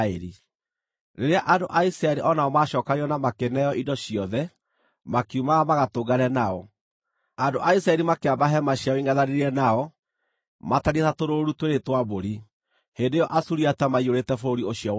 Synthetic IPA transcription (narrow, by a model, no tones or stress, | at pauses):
eɾi | ɾeɾeaʔandoʔaisɾaɛɾiʔɔnaɔmaʃɔːkaɾiɔnamakenɛjɔʔidɔɕiɔðɛ | makumaɣamaɣatoːɡaɾɛnaɔ | andoʔaisɾaɛɾimakeabaɦɛmaɕjaɔiŋaðaɾeɾiɛnaɔ | mataɾiɛtatoɾoɾutweɾetwaboɾi | hendejɔʔasuɾiatamaioɾetɛfoɾioɕiɔ